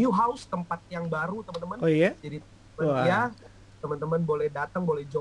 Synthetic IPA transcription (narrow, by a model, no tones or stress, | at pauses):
uɦaʊst̪əmpat̪̚jaŋbaɾut̪əmənt̪əmənojd͡ʒadit̪əmt̪əmənja | t̪əmənt̪əmənbolɛhdat̪əŋbolɛhd͡ʒo